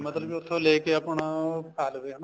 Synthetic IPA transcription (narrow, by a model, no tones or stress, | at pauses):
mət̪ləbiʊt̪ʰːõleːkeəpɳapʰaːlʋeːɦna